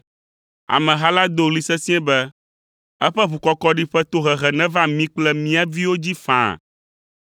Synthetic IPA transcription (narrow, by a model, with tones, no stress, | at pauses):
a̰˨mɛ̃˨ɦa˦la˦d̪o˦˨li˨sɛ˦sĩ˦ɛ̃˦bɛ˦ | ɛ˦ɸɛ˦βu˨kɔ˦kɔ˦ɖi˦ɸɛ˦t̪o˦ɦɛ˨ɣɛ˨nɛ̃˦va˦mĩ˦k͡plɛ˦mĩ˦a˦vi˦wo˦d͡ʑi˦fã̰˨